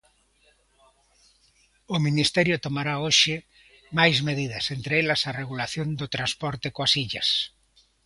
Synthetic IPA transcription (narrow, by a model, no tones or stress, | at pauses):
ʊminist̪ɛɾjʊt̪omaɾaoʃɪ | majzmeðiðɐsent̪ɾeelɐsareɣulaθjond̪ot̪ɾanspɔɾt̪ekoasiʎɐ̰s